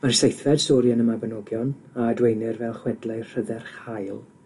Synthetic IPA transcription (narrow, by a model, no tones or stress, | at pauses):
marsejθvɛd̥sɔːɾjanəmabənɔɡjɔnadwejnɪrvɛlˠχwɛdlˠajr̥əðɛrχajlˠ